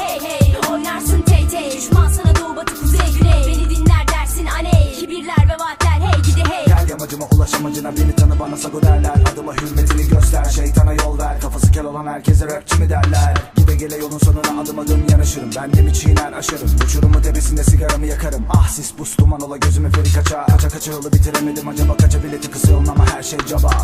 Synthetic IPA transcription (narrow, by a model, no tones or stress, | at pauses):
oɾnaɾsɯnt͡ʃ̪ʰejt̪ʰɛd̪yʃmansanad̪obat̪ʰɯkuzɛɟyɛbenid̪inlʲæɾd̪æɾsinancʰibiɾlʲæɾvɛvat̪lʲæɾhɛiɛɟ̪ʰæɾʲdʲamad͡ʒɯmaʔulˠaʃamad͡ʒɯnabelʲit̪ʰanɯbanasaɡod̪æɾlʲæɾad̪ɯmaɦyɾmet̪ʰiniɟøst̪ʰæɾʃejt̪ʰanajo̞lˠd̪aɾkʰafasɯcʲʰɛlʲo̞lˠanhæɾcʰɛzɛɾøpcʲʰimid̪æɾlʲæɾɟid̪ɛɟelʲɛjo̞lˠunso̞nunaːd̪ɯmad̪ɯmɯjanaʃɯɾɯmbændimit͡ʃʰijnænaʃɯɾɯmut͡ʃʰuɾumut̪ʰe̞besind̪ɛsiɡaɾamɯjakʰaɾɯmahsisbust̪ʰumanolˠaɟø̞zymyfenikʰat͡ʃʰakʰat͡ʃʰakat͡ʃʰajo̞lˠɯbit̪ʰiɾeme̞d̪imad͡ʒabakat͡ʃʰavilʲːet̪ʰikɯ̥sɯjolˠnˠamaɦæɾʃejd͡ʒabaː